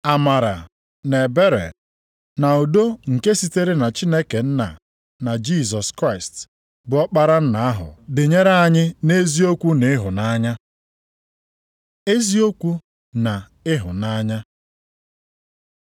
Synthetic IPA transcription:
a˨ma˨ɾa̰˨ | ne˨be˦ɾḛ˨ | na˨o˨do˦ŋ̩˨ke˦si˦te˦ɾe˦na˨t͡ʃi˦ne˦ke˨n̩˦na̰˨ | na˨d͡ʒi˦˨zɔ˨skɾa˦˨st | bʊ˨ɔ˦k͡pa˦ɾa˦n̩˦na˨a˦ɦʊ̰˨dɪ˨ɲe˦ɾa˦a˨ɲɪ˦ne˦zi˦o˦kʷu˦ne˨˦ɦʊ˨na˦ɲa˦ | e˦zi˦o˦kʷu˦ | na˨ | ɪ˦ɦʊ̰˨na˦ɲa˦

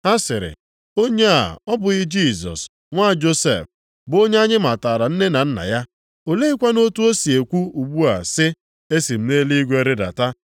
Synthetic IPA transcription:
a˦sɪ˨ɾɪ̰˨ | o˦ɲe˦a̰˨ɔ˦bʊ˨ɣɪ˦d͡ʒi˦˨zɔ̰˨s | ŋʷa˦˨d͡ʒo˦sḛ˦˨f | bo˦ɲe˦a˦ɲɪ˦ma˨ta˨ɾa˨n̩˦ne˦na˨n̩˦na̰˨ja˦ | o˨le˦i˦kʷa˦no˦tu˦o˦si˨e˨kʷu˦u˨ɡ͡bu˦a̰˨sɪ˦ | e˦si˨m̩˦ne˦li˦ɡʷe˦ɾɪ˦da̰˨ta˦

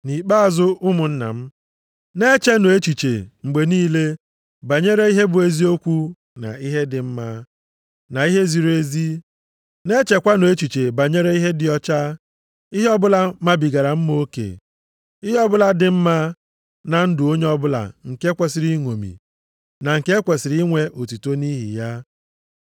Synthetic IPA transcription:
ni˨k͡pa˦a˨zʊ˦ʔʊ˦mʊ˨n̩˦na̰˨m̩˦ | ne˦t͡ʃe˦no˨e˦t͡ʃi˨t͡ʃḛ˨ŋ͡m̩˨ɡ͡be˨niː˦le˦ | ba˨ɲe˦ɾe˦i˦ɦe˦bʊ˨e˨zi˦o˦kʷu˦ | na̰˨i˦ɦe˦dɪ˨m̩˦ma˦ | na˨i˦ɦe˦zi˨ɾe˦zi˦ | ne˦t͡ʃe˨kʷa˦no˨e˦t͡ʃi˨t͡ʃe˨ba˨ɲe˦ɾe˦i˦ɦe˦dɪ˨ɔ˦t͡ʃa˦ | i˦ɦe˦ɔ˦bʊ˦la˦ma˦bi˨ɡa˨ɾa˨m̩˦m˦o˦kḛ˨ | i˦ɦe˦ɔ˦bʊ˦la˦dɪ˨m̩˦ma˦ | na˨n̩˦dʊ˨o˦ɲe˦ɔ˦bʊ˦la̰˨ŋ̩˨ke˦kʷe˨si˨ɾi˦ŋʷo˨mḭ˨ | na˨ŋ̩˨ke˦kʷe˨si˨ɾi˦ŋʷe˦ʔo˨tu˨to˦ni˦ɦḭ˨ja˦

